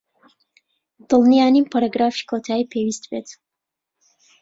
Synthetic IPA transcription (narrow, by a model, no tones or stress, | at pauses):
d̪̥ɨlˠnijaːnimpʰaɾaɡɾaːfi̥kʰot̪ʰaːiːpʰeːwist̪bet̪